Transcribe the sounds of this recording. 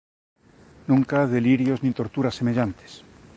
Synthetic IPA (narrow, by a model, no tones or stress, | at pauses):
nũŋkaðe̞liɾjoznĩt̪o̞ɾt̪uɾasːeme̞ʎant̪e̥s